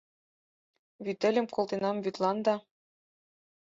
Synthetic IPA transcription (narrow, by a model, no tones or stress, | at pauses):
βyt̪ːɘ̆lʲɘ̆mkŏlˠt̪enɑmβyt̪lˠɑnd̪ɑ